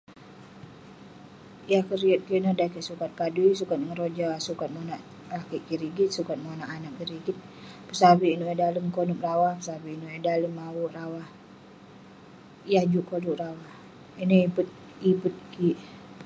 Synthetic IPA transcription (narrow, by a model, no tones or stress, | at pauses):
jahkəɾiət̪̚kinədakɛʔsukat̪̚kaduisukat̪̚ŋəɾod͡ʒasukat̪̚monaʔ | rakɛʔkiɾiɡit̪̚sukat̪̚monaʔanak̚kiɾiɡit̪̚ | pəsabiinoedaləmkonuprawahpəsabiinoɛdaləmːawuʔrawah | jahd͡ʒukoluʔɾawah | inoipət̪̚ | ipət̪̚kiʔ